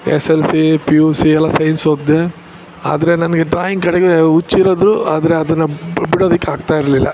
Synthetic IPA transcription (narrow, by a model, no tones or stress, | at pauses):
eselsipiuːsiɛlːɐsɐjnsoːd̪ːe | a̰ːd̪ɐɾe̞nɐnɐɡeɖɾaːjiŋɡkɐɽeɡeut͡ʃːiɾoːd̪ɾuaːd̪ɐɾe̞ɐd̪ɐnːɐbiɽoːd̪ɐkːeaːɡt̪aːjiɾɐlilːɐ̰